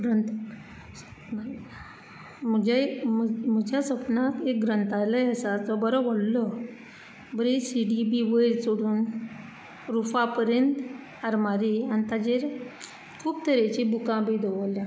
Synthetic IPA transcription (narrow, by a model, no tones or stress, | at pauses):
ɾənt̪ | sə̥pn | m̤əd͡ʑamm̤əd͡ʑjasəpnat̪ek̚ɡɾənt̪alajəsad͡zɔbəɾɔʋəɽlɔ | bəɾisiɖibiʋəɾsoɽuːn | ɾufapəɾjənt̪ | əɾmaɾianit̪ad͡ʑeɾ | kʰuːpt̪ʰəɾet͡ɕibukãbid̪ʱoʋəlːja